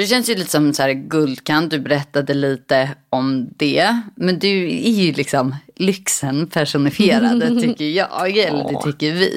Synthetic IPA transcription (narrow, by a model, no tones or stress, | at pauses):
d̪ɛɕɛnsjɵliːt̪ə̥sɔmsæːɾɡɵld̪kʰant̪̚d̪ɵbɛɾɛt̪ːad̪əliːt̪əɔmd̪ɛmɛnd̪ɵæɾjɵlɪksɔmlʏksənpʰæʂʊnɪfɪeːɾa̰d̪ət̪ʰʏkːəɾjɑ̰ːɛlːəd̪ɛʏkːəɾvɪ̰